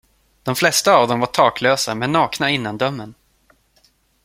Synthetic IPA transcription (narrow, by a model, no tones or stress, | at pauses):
d̪̥ɔmflɛst̪aːvd̪ɔmvaʈʰɑːkløːsamɛnːɑːknaɪnːand̪œmːən